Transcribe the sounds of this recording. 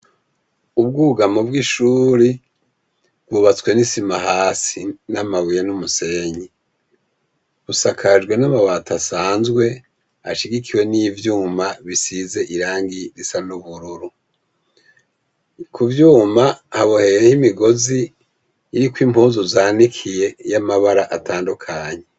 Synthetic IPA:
ubɡuːɡamubɡiʃuːɾi | bɡuːβat͡swe̞nisimahaːsinamawujenumuse̞ɲi | βusakʰaʒɡwe̞namawatasaːnzɡwe̞ | a̰ʃiɡikʰiwe̞nivjuːmaβisize̞ʔiɾaːŋɡiɾisanuβuɾuɾu | kuvjuːmahaβohe̞jehimiɡo̞ziː | ɾikwiːmuːzuzaːnikʰije̞jamaβaɾaʔatʰaːndukʰaɲe

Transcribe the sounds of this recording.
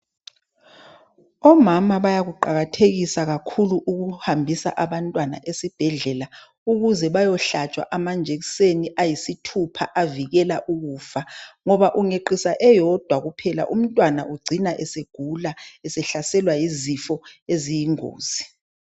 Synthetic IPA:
ɔmamaβajaɣuǃaɣatʰeɣisaɣakʰuluʔuɣuhambʱisa̰ʔaβantʼwana̰ʔesib̥ʱɛɮɛla | uɣuzɛβajɔɬat͡ʃʼwa̰ʔamand͡ʒʱek̬i̥seniʔajisitʰupʰaʔaviɣɛlaʔuɣuːfaŋɔβaʔuŋeǃisaʔɛjɔd̥ʱwaɣupʰɛla̰ʔum̩tʼwanaʔuɡ͡ǀʱinaʔɛseɡ̥ʱulaɛsɛɬasɛlwajizifɔezijiŋo̰ːz̥i

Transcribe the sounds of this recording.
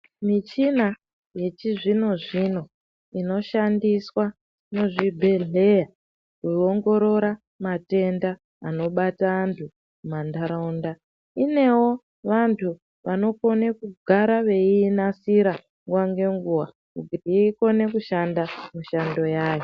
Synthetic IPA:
mit͡ʃina | je̞t͡ʃiʐino̞ʐino̞ | ino̞ʃandiswa | no̞ʐibʱe̞ɮe̞ja | kuo̞ŋɡo̞ɾo̞ɾa | mate̞ndaː | no̞ɓataːntʰu | mumandaɾaunda | ine̞wo̞ | ʋantʰu | ʋano̞ko̞nekuɡʱaɾaʋe̞iːnasiɾa | ŋɡwaŋɡe̞ŋɡuwa̰ | kuɡʱiriko̞ne̞kuʃandamuʃando̞jaːjo

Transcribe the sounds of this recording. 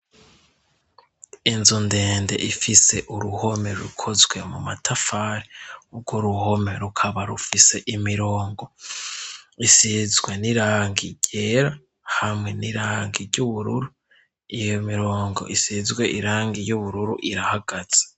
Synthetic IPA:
inzunde̞ːnde̞̰ʔifise̞ʔuɾuho̞me̞ɾukʰo̞zɡwe̞mumatʰafaːɾiub̚ɡoɾuho̞me̞ɾukʰaβaɾufise̞ʔimiɾo̞ːŋɡo̞ | isizɡweniɾaːŋɡiɟ̥e̞ːɾa | hamŋe̞niɾaːŋɡiɾɟuβuɾuɾu | ijomiɾo̞ːŋɡo̞ʔisizɡwe̞ʔiɾaːŋɡijuβuɾuɾuʔiɾahaɡ̥az̥e̥

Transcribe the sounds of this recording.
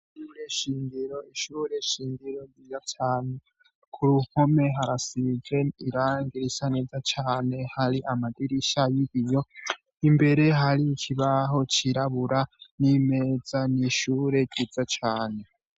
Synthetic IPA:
iʃuɾeʃiːndiɾoiʃuɾeʃiːndiɾoijatʰaːnu | kʰuɾuhome̞ɦaɾasiɡeiɾaːŋɡiɾisaned͡zat͡ʃʰaːne̞haɾiʔamadiɾiʃajiβijo̞ | imbe̞ɾe̞ɦaɾit͡ʃʰiβaɦo̞t͡ʃʰiɾaβuɾanimed͡zaniʃuɾe̞ɡid͡zat͡ʃʰaːne̞

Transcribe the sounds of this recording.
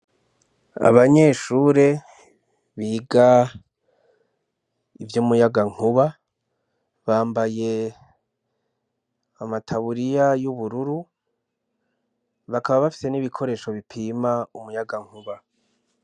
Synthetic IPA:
a̰βaɲe̞ʃuːɾe̞ | βiːɡa | ivjomujaɡaŋ̥uβa | βaːmbaje̞ | amatʰaβuɾijajuβuɾuɾu | βakaβaβafi̥se̞niβikʰo̞ɾe̞ːʃo̞βipʰiːmaumujaɡaŋ̥huβa

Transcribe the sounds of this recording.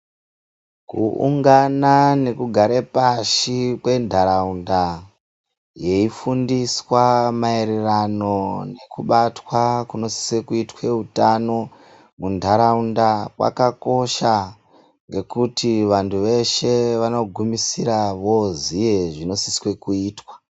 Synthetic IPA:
kṵṵŋɡanane̞kuɡʱaɾepaʃikwe̞ndʱaɾaunda | je̞ifundiswamaeɾerano̞ne̞kuɓatwakuno̞si̥swe̞kuitwe̞utano̞ | mundʱaɾaundakwa̰kako̞ʃa | ŋɡe̞kutiʋantʰuʋe̞ʃe̞ʋano̞ɡʱumisiɾaʋo̞zije̞ʐino̞siswe̞kuiːtwḁ

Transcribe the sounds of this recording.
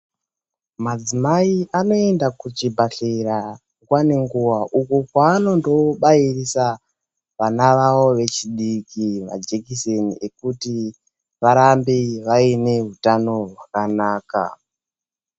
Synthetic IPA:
mad͡zimaiʔano̞e̞ndakut͡ʃibʱaɬeɾa | ŋɡwane̞ŋɡuʋaʔukukwaːno̞ndo̞ɓairisa | ʋanaʋawo̞ʋe̞t͡ʃiɗikiʋa̰d͡ʒekiseniekuti | ʋaɾambiʋaine̞ɦutano̞rwakanaːka̰

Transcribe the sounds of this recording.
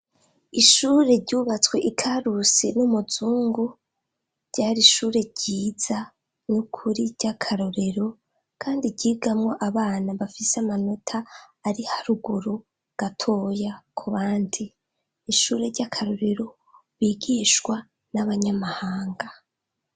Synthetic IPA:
iʃuːɾe̞ɾɟuːβat͡swe̞ʔikʰaɾusenumuzuːŋɡu | ɾɟaːɾiʃuːɾe̞ɾɟiːz̥a | nukʰuɾiɟ̥akʰaɾo̞ɾe̞ɾo̞ | kʰaːndiɟiːɡamŋo̞ʔaβaːnaβafiseamano̞tʰaːɾihaɾuɡuɾo | ɡ̥atʰo̞ːjakʰuβaːndiː | ʃuːɾe̞ɾɟakʰaɾo̞ɾe̞ɾo̞ | βiɡiːʃwa | naβaɲamahaːŋɡa

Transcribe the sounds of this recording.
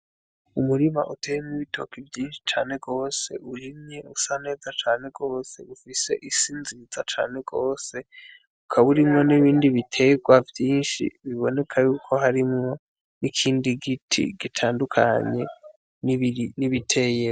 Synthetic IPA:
umuɾima̰ʔuteːjemŋiβitʰo̞̰kivjiːnʃi̥t͡ʃaːne̞ɡo̞ːse̞̰uɾimɲe̞usane̞ːzat͡ʃaːne̞ɡo̞ːse̞̰ufise̞̰ʔisiːnziiz̥at͡ʃa̰ːne̞ɡo̞ːse̞ | ukʰaβuɾimŋo̞niβiːndiβitʰe̞ɡwavjiːnʃḭβiβo̞ne̞kʰajuːkʰo̞ɦaɾimŋo̞ | nikʰiːndiɡitʰḭɡ̥itʰaːndukʰa̰ɲe̞ | niβitʰe̞ːje

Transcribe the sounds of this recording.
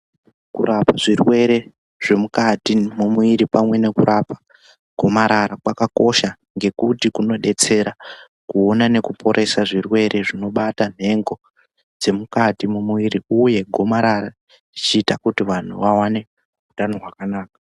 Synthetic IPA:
kṵrapaʐirwe̞ɾe̞ | ʐ̥e̞mukatimumuiɾipamwe̞ne̞kuɾʔapa | ɡʱo̞maɾaɾakwakako̞ʃa | ŋɡe̞kutikuno̞ɗe̞t͡se̞ɾa | kuo̞nane̞kupʰo̞ɾʔe̞saʐirwe̞ɾʔe̞ʐino̞ɓatan̤e̞ŋɡo̞ | d͡ze̞mukatimumuiɾiuje̞ɡʱo̞maɾaɾa | d͡zit͡ʃiːtakutiʋan̤uʋawane̞ | utano̞rwakanaːkḁ

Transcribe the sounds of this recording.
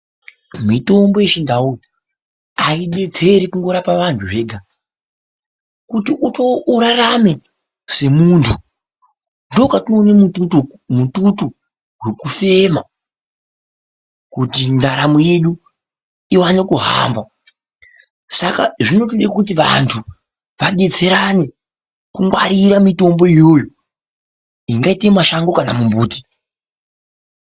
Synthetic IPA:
mito̞mbo̞jeʃindau | aiɓe̞d͡ze̞ɾikuŋɡo̞ɾapaʋantʰuʐe̞ːɡʱa | kutiʔutouɾarame̞ | se̞muntʰu | ndo̞katinoːnemuu | mututu | ɦwekufe̞ma | kutindaɾamoje̞ɗu | iwanekuɦa̰ːmbwa | sakaʐino̞t̬iɗakut̬iʋa̰ntʰu | ʋaɗed͡ze̞ɾane̞ | kumwaɾiɾamito̞mbo̞ijo̞ːjo | iŋɡaitemaʃaŋɡo̞kanamumbuːti̥

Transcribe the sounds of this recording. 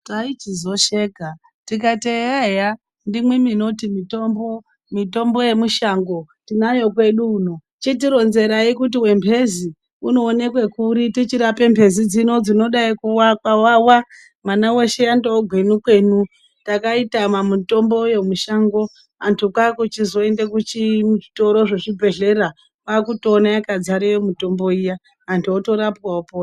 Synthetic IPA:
tait͡ʃizo̞ʃeːɡʱa | tik̬atejaja | ndimwemino̞timito̞mbo | mito̞mbo̞je̞muʃaŋɡo̞tinajo̞kwe̞ɗuːno | t͡ʃit̬iɾo̞nze̞ɾaikut̬iwe̞mpʰe̞zi | uno̞ːne̞kwe̞kuɾitit͡ʃiɾape̞mpʰe̞zid͡zino̞d͡zino̞ɗaikuwakwawawa | manawe̞ʃe̞jandooɡʱwenukwe̞nu | takaitamamuto̞mbo̞je̞muʃaŋɡo̞ | antʰukakut͡ʃizo̞e̞ndekut͡ʃimuʐito̞ɾo̞ʐe̞ʐibʱe̞ɮe̞ɾa | wakutoːnajakad͡zaɾijomuto̞mbo̞ijaː | ntʰuoto̞ɾapwaopoːa

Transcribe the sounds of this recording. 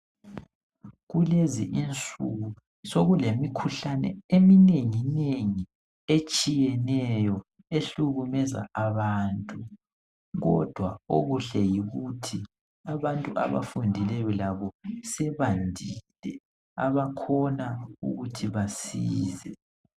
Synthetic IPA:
ɣuleziʔint͡sʼuɣu | soɣulemikʰuɬanɛ̰emineŋineŋi | et͡ʃʼijɛnɛjɔ | eɬuɣumɛza̰aβaːntʼu | ɣɔ̰d̥ʱwao̰ɣuɬɛjiɣutʰi | aβantʼuʔa̰βa̰fundʱilɛjɔlaβɔsɛβandʱilɛ | a̰βakʰɔnaṵɣutʰiβasiːzɛ

